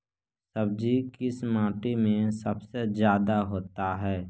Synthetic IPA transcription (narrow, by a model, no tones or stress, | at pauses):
səb̚d͡ʒikɪsmãːʈimẽsəbsezjaːd̪aɦoːt̪aɦɛː